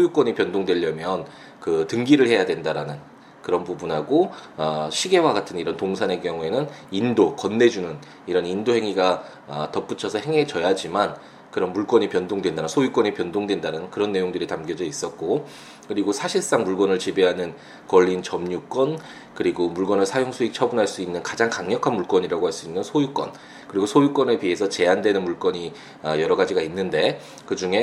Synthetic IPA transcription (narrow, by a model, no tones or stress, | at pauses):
sʰojuk͈wʌɲipjʌndoŋdwe̞ʎːʌmjʌn | kɯtɯŋɡiɾɯɭhe̞jadwe̞ndaɾanɯn | kɯɾʌnpubunɦaɡoaɕʰiɡe̞waɡatʰɯniɾʌntoŋsʰane̞kjʌŋue̞nɯnindokʌnːe̞d͡ʑunɯn | iɾʌnindoɦe̞ŋiɡa | atʌp͈ut͡ɕʰʌsʰʌhe̞ŋe̞t͡ɕʌjad͡ʑiman | kɯɾʌnmuɭk͈wʌɲipjʌndoŋdwe̞ndaɯnsʰojuk͈wʌɲipjʌndoŋdwe̞ndaɾɯnnkɯɾʌnːe̞joŋdɯɾitamɡjʌd͡ʑʌis͈ʌt̚k͈o | kɯɾiɡosʰaɕʰiɭs͈aŋmuɭɡʌnɯɭt͡ɕibeɦanɯn | kʌʎːint͡ɕʌmɲuk͈wʌn | kɯɾiɡomuɭɡwʌnɯɭsʰajoŋs͈ʰuit͡ɕʰʌbunɦaɭs͈uinːɯnkad͡ʑaŋkaŋɲʌkʰanmuɭk͈wʌɲiɾaɡoɦaɭs͈uinːɯnsʰojuk͈wʌn | kɯɾiɡosʰojuk͈wʌnepiɦe̞sʰʌt͡ɕe̞andwe̞nɯnmuɭk͈wʌɲi | ajʌɾʌɡad͡ʑiɡainːɯnde̞ | kɯd͡ʑuŋe̞